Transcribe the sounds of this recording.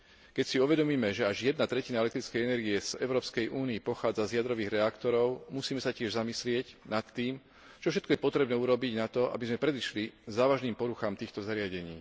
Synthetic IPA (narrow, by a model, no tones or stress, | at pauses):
kɛcsiuʋɛd̪ɔmiːmɛʒɛaʒjɛd̪̚nat̪ɾɛcinaɛlɛkt̪ɾit͡skɛjɛnɛɾɡiɛz̥ɛʊɾɔːpskɛjʔuːniipɔxaːd͡zazjad̪ɾɔʋiːɣɾɛakt̪ɔɾɔʊmusiːmɛsacɪɛʒzamislɪɛɟnat̪ːiːm | t͡ʃɔfʃ̬ɛt̪̚kɔjɛpɔt̪ɾɛbnɛːuɾɔbiɟnat̪ɔʔa̰bizmɛpɾɛd̪iʃlizaːʋaʒniːmpɔɾuxaːmt̪iːxt̪ɔzaɾɪaɟɛɲḭː